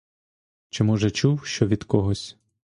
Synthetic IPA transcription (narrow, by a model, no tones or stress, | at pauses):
t͡ʃɪmɔʒɛt͡ʃuwʃt͡ʃɔʋʲid̪̥kɔɦɔsʲ